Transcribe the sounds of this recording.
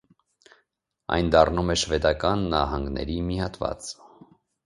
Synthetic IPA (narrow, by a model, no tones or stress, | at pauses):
ɑ̰jnd̪ɑrnumɛʃvɛd̪ɑkɑnːɑɦɑŋɡnɛ̰ɾimihɑt̪vɑ̰t͡s